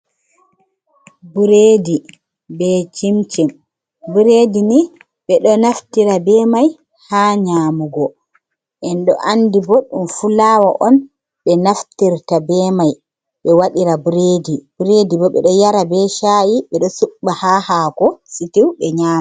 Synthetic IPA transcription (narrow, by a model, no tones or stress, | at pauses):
buɾeːdi | bɛt͡ʃimt͡ʃim | buɾedini | ɓɛɗɔnaftiɾabɛːmaj | haːɲaːmuɡɔ | ʔɛnɗɔ̰ʔandibɔɗumfulawaʔɔn | ɓɛnaftiɾtabɛmaj | ɓɛwaɗiɾabuɾeːdibuɾeːdibɔɓɛ̰ɗɔjaɾabɛʃajiɓɛɗɔsuɓːahahaːkɔsitiwɓɛɲaːm